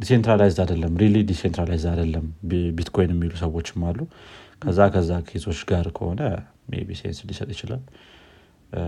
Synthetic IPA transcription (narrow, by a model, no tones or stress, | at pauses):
d̪isent̪ɾalajzdad̪əlːəmːɾilid̪isent̪ɾalajzad̪əlːəmbit̪kʰo̞jnjɛmːilusəwo̞t͡ʃːɪmːalːukʰəzːakʰəzːakʰet̪ʰo̞t͡ʃːɡaɾkʰəho̞nə | ʔḛbisejnsɨnd̪isət̪ʼjɪt͡ʃɪla̰lː